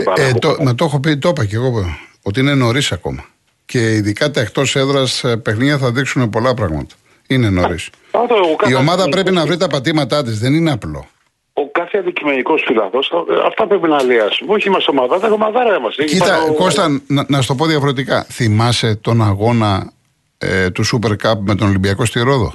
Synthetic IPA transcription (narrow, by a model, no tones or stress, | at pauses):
ɐt̪omɐt̪o̞xo̞pit̪o̞pɐceɣoot̪iine̞no̞ɾisɐko̞̰mɐ | ce̞iðikɐt̪ext̪ose̞ðɾɐspe̞xniʝɐθɐðiksune̞po̞lɐpɾɐɣmɐ̰t̪ɐ̥ | ine̞no̞ɾis | ɐft̪ookio̞mɐðɐpɾe̞pinɐvɾit̪ɐpɐt̪imɐt̪ɐt̪̬izðe̞nineɐplo̞̰ | okɐθeɐnd̪icime̞niko̞sfilɐθo̞sɐɐ̰ft̪ɐpɾepinɐːliɐsuoçiimɐst̪o̞mɐðɐt̪ɐxomɐðɐɾɐɐmɐsiit̪ɐko̞st̪ɐnnɐs̬t̪o̞poðiɐfoɾet̪ikɐ̰θimɐset̪o̞nɐɣo̞nɐ̰ | t̪usupe̞ɾkɐpme̞t̪o̞nolimbiɐko̞st̪iɾo̞ðo̞̰